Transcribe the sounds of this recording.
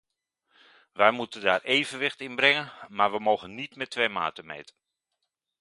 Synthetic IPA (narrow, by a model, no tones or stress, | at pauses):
ʋɛjmutəndaːreːvənʋɪxtɪnbrɪŋənmarʋəmowɣənːitmɛtʰːʋejma̰ːtəmḛjtə